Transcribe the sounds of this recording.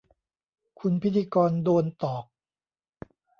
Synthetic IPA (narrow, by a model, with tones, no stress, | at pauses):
kʰu˧npʰi˦˥t̪ʰːiː˧kɔː˧ndoː˧nt̪ɔː˨˩k̚